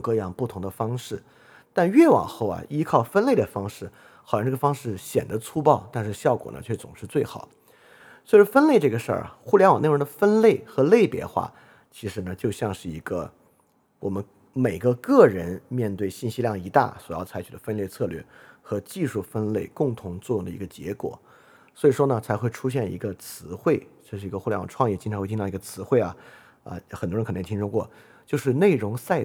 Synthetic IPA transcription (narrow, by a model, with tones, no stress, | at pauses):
kɤ˥˧jɑ˥˧ŋpu˥˩t̪ʰʊ˧˥ŋd̪ə˧fɑ˥ŋʂɻ̩˥˩ | t̪a˥˧nɥɛ˥˩wɑ̰˨˩ŋxo˥˩ʊɐ̰˩ʔi˥kʰɑ˥˩ʊfə˥nle˥˩ɪd̪ə˩fɑ˥ŋʂɻ̩˥˩ | xɑ˨˩jɑ˥˧ʈ͡ʂɤ˥˩ə˧fɑ˥ŋʂɻ̩˥˩ɕjɛ̰˨˩nd̪ə˦t͡sʰu˥pɑ˥˧ʊt̪a˥˧nʂɻ̩˥˧ɕjɑ˥˩ʊkwɔ̰˨˩nə̰˦t͡ɕʰɥɛ˥˩t͡sʊ̰˨˩ŋʂɻ̩˥˧t͡swe˥˩ɪxɑ˨˩˦ | swfə˥nle˥˧ɪʈ͡ʂɤ˥˩ɡə˩ʂə̰˞˥˩xu˥˩ljɛ˥nwɑ̰˨˩n˥˧˩ɻd̪ə˩fə˥nle˥˩ɪxɤ˧˥le˥˩ɪpjɛ̰˧˥xwa̰˥˩ | t͡ɕʰi˧˥ʂɻ̩˧˥nə˧t͡ɕjo˥˧ʊɕjɑ˥˧ŋʂɻ̩˥˩i˧˥ɡə̰˧ | wɔ˨˩mə˦n | me˨˩ɪɡə˦kɤ˥˩ɻə˧˥nmjɛ˥˧nt̪we˥˧ɪɕi˥˩nɕi˥ljɑ˥˩ŋi˧˥t̪a̰˥˩swɔ˨˩jɑ˥˩ʊt͡sʰa˧˥ɪt͡ɕʰy˨˩d̪ə˦fə˥nljɛ˥˧ɪt͡sʰɤ˥˧lɥɛ̰˥˩xɤ˧˥t͡ɕi˥˧ʂu˥˩fə˥nle˥˩ɪkʊ˥˩ŋt̪ʰʊ˧˥ŋt͡swɔ˥˧jʊ˥˩ŋd̪ə˩i˧˥ɡə˧t͡ɕjɛ̰˧˥kwɔ̰˨˩˦ | swɔ˧˥i˨˩ʂwɔ˥nə˨t͡sʰa˧˥ɪxwe˥˩ɪʈ͡ʂʰu˥ɕ̬jɛ˥˩nḭ˧˥ɡə˧t͡sʰɹ̩˧˥xwe˥˩ɪt͡ɕjo˥˧ʂɻ̩˥˩i˧˥ɡə˧xu˥˩lwɑ̰˨˩ʈ͡ʂʰwɑ˥˧ŋjɛ˥˩t͡ɕi˥nʈ͡ʂʰxʰi˧˥ɡə˧t͡sʰɹ̩˧˥xwe˥˩ɪɐ˩ | ə̰˧xnt̪wkʰə˨˩nʰ˧˥˩i˥ʂu˥˧kwɔ̰˥˩ | t͡ɕjo˥˧ʊʂɻ̩˥˧ne˥˩ɪɻʊ˧˥ŋsa˥˧ɪ